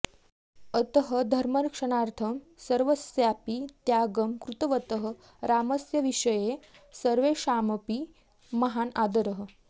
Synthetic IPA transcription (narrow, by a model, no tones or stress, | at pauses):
ət̪əɦəd̪ʱəɾmənkʂɐɳ̃aɾt̪ʰəm | səɾʋəsjapit̪jaɡəmkɾut̪əʋət̪əɦə | ɾaməsjəʋiʂəje | səɾʋeʃaməpi | mɐɦanad̪əɾəɦə